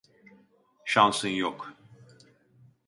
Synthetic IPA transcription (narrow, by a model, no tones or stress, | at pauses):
ʃansɯnjok